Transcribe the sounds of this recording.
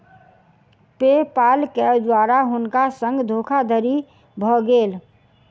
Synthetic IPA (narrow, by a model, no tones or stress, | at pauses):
pepaːlked̪waːɾaɦʊnkasə̃ŋɡd̪ʱoːkʰad̪ʱəɾi | bʱɔɡeːl